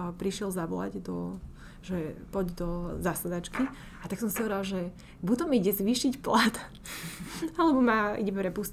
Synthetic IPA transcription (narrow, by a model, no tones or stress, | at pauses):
pɾiʃɪɛlzaʋɔ̰la̰ɟd̪ɔ | ʒɛpɔɟd̪ɔzasad̪at͡ʃki | at̪aksɔmsiɦɔʋɛɾalʒɛ | but̪ɔmiɟɛzʋiːʃicplat̪ | alɛbɔmaḭɟɛpɾɛpus